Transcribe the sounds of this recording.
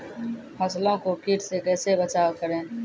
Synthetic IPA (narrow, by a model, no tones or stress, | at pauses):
həslõːkoːkiːʈseːkɛːseːbət͡ʃaːkəɾẽː